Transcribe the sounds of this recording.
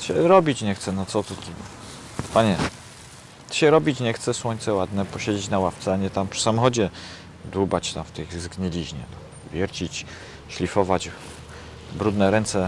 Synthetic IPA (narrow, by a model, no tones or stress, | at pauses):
ɕɛɾɔbʲit͡ɕɲɛxt̪sɛnɔt̪sɔt̪uk̪ʲiɡɔ | paɲɛ | ɕɛɾɔbʲit͡ɕɲɛxt̪sɛswɔɲʲt̪sɛwad̪nɛpɔɕed͡ʑet͡ɕnawaft̪sɛaɲɛt̪ampʂɨ̥samɔxɔd͡ʑɛ | d̪ubat͡ɕt̪amft̪ɛɣzɡɲɛlʲiʑɲɛ̰nɔ | vʲjɛɾt͡ɕit͡ɕ | ɕlʲifɔvad͡ʑ | bɾud̪nɛɾɛnt̪sɛ